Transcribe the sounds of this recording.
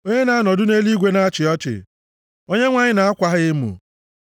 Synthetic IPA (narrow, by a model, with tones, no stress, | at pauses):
o˦ɲe˦na˨˦a˦nɔ˨dʊ˦ne˦li˦ɡʷe˦na˦t͡ʃɪ˨ɔ˦t͡ʃɪ̰˨ | o˦ɲe˦ŋʷa˦ɲɪ˦na˨a˦kʷa˦ɦɪ˦ɪ˦mṵ˨